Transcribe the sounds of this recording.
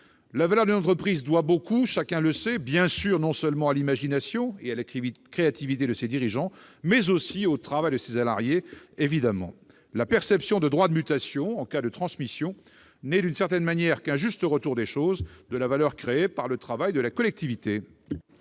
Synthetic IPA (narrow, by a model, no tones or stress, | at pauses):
lavalœʁd̪ynɑ̃t̪χəpχizd̪wabokuʃakʲɛ̃ləsɛbjɛ̃syʁnɔ̃səlmɑ̃alimaʒinasjɔ̃ealakχeat̪ivit̪ed̪əsed̪iʁiʒɑ̃mɛzosiot̪χavajd̪əsesala̰ʁjeevid̪amɑ̰̃ | lapɛʁsɛpsjɔ̃d̪əd̪ʁwad̪əmyt̪asjɔ̃ɑ̃kad̪ət̪χɑ̃smisjɔ̃ | nɛd̪ynsɛʁt̪ɛnmanjɛʁkɛ̃ʒyst̪əʁət̪uʁd̪eʃozd̪əlavalœʁkχeepaʁlət̪χavajd̪əlakɔlɛk̚t̪ivit̪e